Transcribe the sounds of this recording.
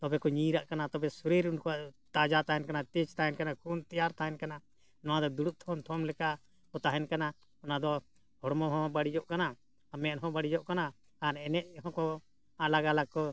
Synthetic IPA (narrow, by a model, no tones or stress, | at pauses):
t̪ɔbɛkɔɲiɾaʔkanat̪ɔbɛsuɾiɾunkɔaʔt̪ad͡ʒat̪aɦɛnkanat̪it͡ʃt̪aɦɛnkanakʰunt̪ijaɾt̪aɦɛnkana | nɔwãd̪ɔd̪uɽuʔ̚t̪ʰɔmt̪ʰɔmlɛka | ɔt̪aɦɛnkana | ɔnad̪ɔ | hɔɽmɔɦɔ̃baɽid͡ʒɔʔkanaː | mɛɦɔ̃baɽid͡ʒɔʔkana | anɛnɛʔ̚ɦɔ̃kɔ | alaɡalakɔ